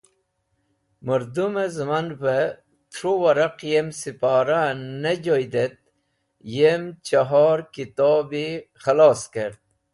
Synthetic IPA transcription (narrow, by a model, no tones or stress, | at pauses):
məɾd̪umezmanpə | t̪ʰɾowɐɾɐqjemsipaːɾaned͡ʑojd̪et̪̚ | jemt͡ɕaɦɑːɾkit̪ɑːbixalɑːskeɾd̪̚